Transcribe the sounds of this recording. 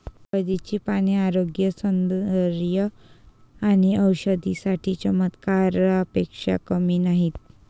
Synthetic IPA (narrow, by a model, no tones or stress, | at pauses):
bəd̪it͡ɕiːpaɽ̃iaɾoɡjəsənd̪əɾjə | aɽ̃iəwɕəd̪isaʈʰit͡ɕəmət̪kaɾəpekʂa̰kəmiːnaɦit̪̚